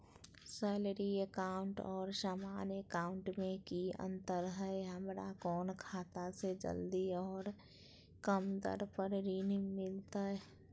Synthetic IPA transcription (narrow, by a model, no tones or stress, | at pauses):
sɛːləɾiekaːʊ̃ɳʈɔːɾʃaːmaːnekaːʊ̃ɳʈmẽkiə̰̃nt̪əɾɦɛeɦəmɾa̰kɔːnkʰaːt̪ased͡ʒə̰ld̪iɔːɾ | kəmd̪ə̰ɾpəɾɾiːnimɪlt̪aɛ